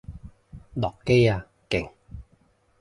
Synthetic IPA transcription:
lɔ˨˩kːe˥jaː˧ | kɪ̰˨˩ŋ

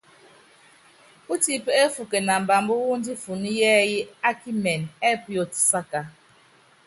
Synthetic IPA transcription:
u˦ti˦pe˦fu˨ke˨na˨m̩˨ba˨mbu˦wu˦n˦di˦fu˨ni˦jɛː˦ji˦a˦ki˦mɛ˨nɛ˦pjo˨tsa˦ka˨

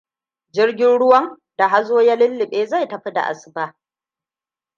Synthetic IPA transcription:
d͡ʒɪ˦rɡʲɪ˦nɽʊ˦wɐ˦ŋ | da˨ɦa˦zoː˦ja˦lɪ˦lːɪ˨ɓeː˦za˦˨jtɐ˨ɸi˦da̰˨ʔa̰˨sɪ̥˨baː˦ʔ

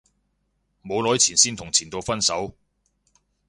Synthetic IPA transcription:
mo˨˧wlɔː˨˥jt͡sʰiː˨˩nsiː˥nt̪ʰʊ˨˩ŋt͡sʰiː˨˩nt̪o˧wfɐ˥nsɐ˨˥w

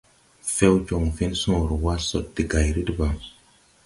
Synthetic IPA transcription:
fe˦wd͡ʒo˨ŋfi˦nsũ˦˨ɾwa˦so˦ɗdi˨ɡa˨jɾi˦dba˨

